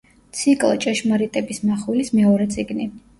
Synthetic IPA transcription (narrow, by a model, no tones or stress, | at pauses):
t̪sʰikʼlˠt͡ʃʼɛʃmaɾit̪ʼɛbismaχwɛlismɛɔɾɛt̪sʼiɡni